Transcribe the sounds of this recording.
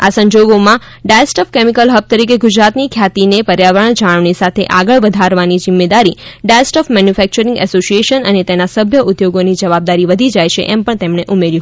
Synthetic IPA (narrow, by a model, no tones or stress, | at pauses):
asə̃ɲd͡ʒoɡomã | ɖaesʈɔfkemikəlɦəb̚t̪əɾikeɡud͡ʒɾat̪nikʰjat̪inepəɾjaʋəɾəɳd͡ʒaɽ̃ʋnisat̪ʰeʔaɡəɭʋəd̪ʱaɾʋanid͡ʒɪmːed̪aɾiɖasʈɔfmɛnjufɛk̚t͡ʃəɾĩŋɡɛ̰sosieʃənənet̪enasəbʱjəʔʊd̪joɡonid͡ʒəʋab̚d̪aɾiʋəd̪ʱid͡ʒajʃʰḛʔɛmpəɳt̪emɳ̃eʔumeɾi